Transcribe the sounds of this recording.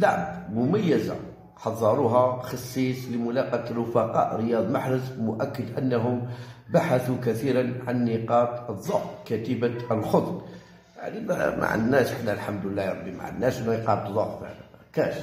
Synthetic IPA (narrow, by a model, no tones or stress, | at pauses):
laʕbmʊmæjːəza̰ | ħɑðˤːɑɾˤuɦɑxɑsˤːisˤləmʊlɑqɑt̪ɾːʊfɑqɑ̰ʔɾəjɑd̪ˤmaħɾəsmʊʔækːəd̪ʔənːæɦʊmbaħaθukæθiɾanʕanːiqɑt̪əðˤːɑfkæt̪əbaəlxod̪ˤɾ | ja̰ʕnim̰mʔa̰ʕə̰nːæʃħnːælħamd̪əlːæjɾˤɑbːima̰ʕə̰nːæʃniqɑb̪ðˤɑffə̰ʕlkæ̰ʃ